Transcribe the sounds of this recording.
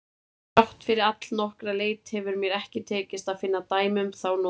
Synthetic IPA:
awht̪fɪɾɪɾat̪l̥nɔhkɾaleːjt̪hɛvʏɾmjɛɾɛhcɪt̪ʰɛːcɪst̪aðfɪnːat̪aːjmʏmθawn

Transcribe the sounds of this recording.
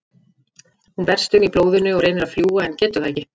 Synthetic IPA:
hunvɛr̥st̪ʏmiploːwðʏnʏɔɣɾeːjnɪɾaðfljuːɣaɛncɛːt̪aðɛhcɪ

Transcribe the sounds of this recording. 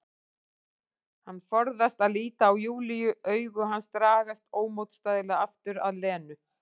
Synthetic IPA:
hanːfɔɾðast̪aðliːt̪aːwjuːlijʏʔœːɥɣʏɦanst̪ɾaːɣast̪oːwmowt̪st̪aːðɪlaaft̪ʏɾa̰ðlɛːnʏ

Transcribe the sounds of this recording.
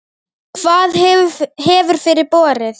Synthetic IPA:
kʰvaːðɦɛːvʏɾ̥fɪɾɪɾ̥pɔːɾɪθ

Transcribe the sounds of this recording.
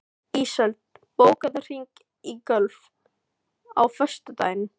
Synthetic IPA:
iːsœlt̪̚poːwkaðʏr̥iŋk | ikœlf | awfœ̥st̪at̪a̰ːjnʏ

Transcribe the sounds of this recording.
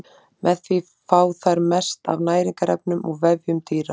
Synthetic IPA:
mɛðθvi | faːwθaɾmɛst̪a̰vnaːjɾiŋkaɾɛ̰p̚nʏmɔɣvɛvjʏmt̪iːɾa

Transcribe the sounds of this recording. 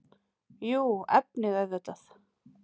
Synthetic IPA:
juːɛ̰p̚nɪðɛðθɛht̪aθ

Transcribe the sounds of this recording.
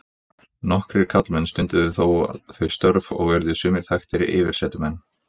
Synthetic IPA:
nɔhkɾɪɾ̥kʰat̪lmɛnst̪ʏnt̪ɪðʏθowa̰θœɥst̪œɾvɔ̰ɣvɛɾðʏsʏːmɪɾ̥θʰajxt̪ɪɾɪ̰ʔɪːvɪɾ̥sɛːt̪ʏmɛnː

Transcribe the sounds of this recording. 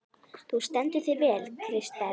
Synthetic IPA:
θust̪ɛnt̪ɪθɪvɛːlkʰɾɪst̪a

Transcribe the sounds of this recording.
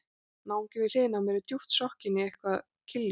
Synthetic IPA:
nawŋcɪvɪl̥ɪːnamɛɾʏt̪juht̪sɔhcɪnːɪɛjhkvað | cʰɪlː

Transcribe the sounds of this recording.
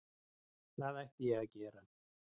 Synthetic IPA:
θaðajht̪ijɛɣacɛːɾan

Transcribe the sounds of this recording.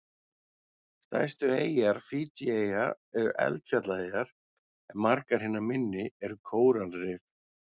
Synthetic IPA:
st̪a̰jst̪ʏeːjaɾfiːt͡ɕieja | ɛɾʏ̰ʔɛ̰lt̪fjat̪laɪaɾ̥ | ɛnmaɾkaɾ̥hɪnːamɪnːɪɛɾʏkʰoːwɾalɾɪf

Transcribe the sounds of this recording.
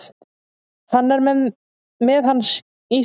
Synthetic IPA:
θanːɛɾmɛð | mɛðhanːs | i

